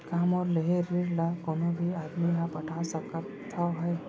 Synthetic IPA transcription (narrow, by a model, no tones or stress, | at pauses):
kaːmɔːɾleɦeɾːɪɾlakɔːnõbʱiaːd̪miɦãpɐʈʰasɐk | t̪ʰːaɦɛː